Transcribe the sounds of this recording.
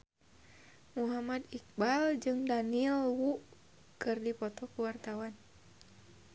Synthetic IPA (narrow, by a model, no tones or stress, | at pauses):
muɦamad̪ik̚bald͡ʒɨŋdanilwuʔ | kɨrdipɔt̪ɔkuwart̪awan